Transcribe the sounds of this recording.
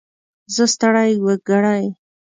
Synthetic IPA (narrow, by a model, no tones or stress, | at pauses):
zəst̪aɽajwəɡaɽaj